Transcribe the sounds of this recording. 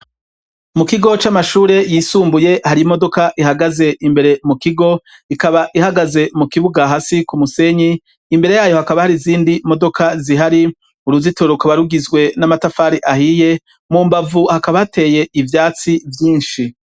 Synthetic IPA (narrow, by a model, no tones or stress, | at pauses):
mukiɡo̞t͡ʃamaʃuːɾe̞jiːsuːmbuje̞haɾimo̞do̞kaʔiɦaɡaze̞ʔimbe̞ɾe̞mukiɡo̞ | ikaβaʔihaɡaze̞mukiβuɡaɦasikumuse̞ɲiː | mbe̞ɾe̞jaːjo̞hakaβahaɾiziːndimo̞do̞kʰaziɦaɾi | uɾuzitoɾokaβaɾuɡizɡwe̞namatafaːɾiʔahije̞ | muːmbavuhakaβaatʰe̞ːje̞ʔivjaːt͡sivjiːnʃi